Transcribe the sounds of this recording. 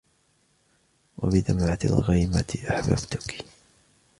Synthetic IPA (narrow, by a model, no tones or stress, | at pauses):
wa̰bɪd̪amʕat̪a̰lɣijmat̪ʔaħba̰bt̪ʊk